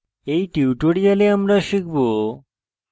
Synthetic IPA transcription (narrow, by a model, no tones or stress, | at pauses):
ejʈiwʈoɽijaleamɾaʃik̚ʰbo